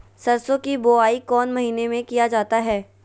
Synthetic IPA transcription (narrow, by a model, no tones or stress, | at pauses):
sɐɾsõkiboːaːikɔːnmɐɦiːnemẽkijad͡ʒaːt̪aɦɛː